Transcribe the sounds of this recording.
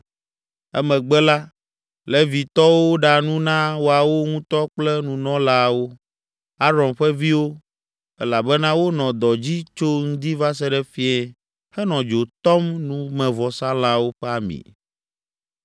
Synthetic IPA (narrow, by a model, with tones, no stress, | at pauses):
ɛ̰˦mɛ̃˨ɡ͡bɛ˦la˦ | lɛ˦vi˨t̪ɔ˦wo˦ɖa˨nũ˦nã˦wo˦a˨wo˦ŋũ˦t̪ɔ˦k͡plɛ˦nũ˨nɔ̃˦la˦wo˦ | a˦ɾɔ̃˨nɸɛ˦vi˦wo˦ | ɛ˦la˨bɛ˦nã˦wo˦nɔ̃˨d̪ɔ˨d͡ʑi˦t͡ʃo˦ŋũ˦d̪i˦va˦s̬ɛ˦ɖɛ˦fi˦ɛ˦˨ | hɛ˦nɔ̃˨d͡ʒo˨t̪ɔ˦mnũ˦mɛ̃˨vɔ˨sã˦la˦wo˦ɸɛ˦a˨mḭ̃˨